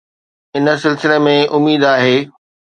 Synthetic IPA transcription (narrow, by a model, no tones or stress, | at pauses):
ɪnə̆sɪlsɪlemẽʔʊmiːd̪aːɦeː